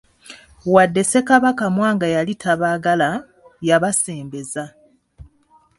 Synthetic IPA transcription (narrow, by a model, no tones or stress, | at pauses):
wadːe̞se̞kaβakamwaːŋɡajalitʰaβaɡala | jaβase̞ːmbe̞za